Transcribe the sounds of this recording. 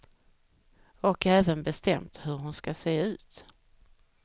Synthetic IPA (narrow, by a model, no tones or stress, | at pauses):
ɔkʰɛːvənbɛst̪ɛmt̪hɵɾɦʊnskaseːʉ̟ːt̪